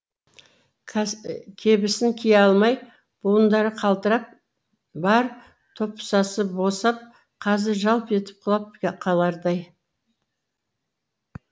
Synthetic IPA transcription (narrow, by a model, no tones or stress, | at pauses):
kʲʰebɪsɪŋkʲʰijeɑlˠmɑj | b̥uənd̪ɑɾəqʰɑlˠd̪əɾɑp̚ | bɑɾ | t̪ʰo̞pːsɑsəbosɑp̚ | qʰɑzɪɾʒɑlˠpe̞t̪ɪ̥p̚qʰɑlˠɑp̚qʰɑlˠɑɾd̪ɑj